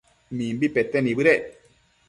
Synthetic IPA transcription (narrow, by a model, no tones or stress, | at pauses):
mimbipetːɛnibɨɾɛ